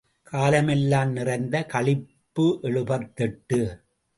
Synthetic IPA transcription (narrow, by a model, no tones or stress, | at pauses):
kʰaːlɐmɛlːaːmnɪrɐɪnd̪ɐkɐɭɪpːɯʔɛɻɯbɐɾt̪ːɛʈːɯ